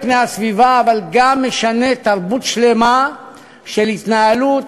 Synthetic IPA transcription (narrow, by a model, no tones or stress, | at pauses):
pnehasvivaːvalɡamːe̞ʃane̞t̪aʁbut̪ʃle̞ma | ʃelhit̪naalut̪